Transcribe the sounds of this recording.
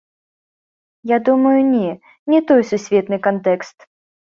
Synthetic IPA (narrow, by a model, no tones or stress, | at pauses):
jad̪umɐjunʲɛ | nʲɛt̪ɔjsusʲvʲɛt̪nɨkant̪ɛkst̪